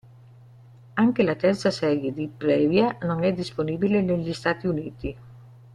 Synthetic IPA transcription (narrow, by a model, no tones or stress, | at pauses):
aŋkelat̪ɛrt̪sasɛɾjed̪ipɾɛvjanoŋɛd̪isponiːbileneʎist̪aːt̪iuniːt̪i